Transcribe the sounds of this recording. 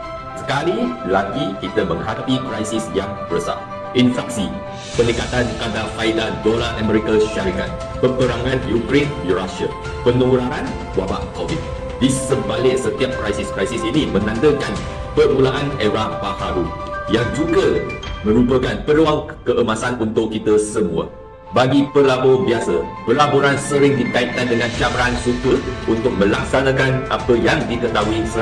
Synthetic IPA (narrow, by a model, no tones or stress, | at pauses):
sə̥kalilaɡikit̪əmə̃ŋhadapikɾajsisjaŋbɾəsa̰ | infɛk̚si | pənikat̪ankadafaidadolaʔamə̃ɾikəlʃaɾikat̪̚ | pəpəɾaŋãndiukɾenjuɾasiə̰ | pənuɾaan | waba̰ʔkovit̪̚ | disəmbalɪk̚sət̪iap̚kɾajsiskɾajsisinimə̃nãndəkan | pərmulaʔanɛɾapahaɾujaŋd͡ʒuɡəmə̃ɾupəkanpəɾuakəʔəmasanunt̪ʊʔkːit̪əsəmũə̰ | baɡipəlabobiasə̰pəlaboɾansəɾɪŋdit̪ait̪̚kandəŋãnt͡ʃabɾaansut̪ur̚unt̪ʊk̚mə̃lak̚sanãkanapəjaŋdik̪ət̪aɦuisə